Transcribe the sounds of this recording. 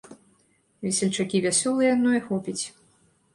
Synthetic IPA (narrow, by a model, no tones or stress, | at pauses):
vʲɛsʲɛlʲt͡ʂakʲivʲasʲɔlˠɨjɐd̪nɔjɛxɔpʲit͡sʲ